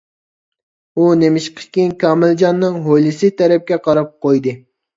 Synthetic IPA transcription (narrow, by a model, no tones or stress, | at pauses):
unemɪʃqʰə̥kʲinkʰɑmɪld͡ʒɑnːɨŋɦojlˠɨsɨt̪ʰɛɾɛp̚kʲɛqʰɑɾɑp̚qʰojd̪ɨ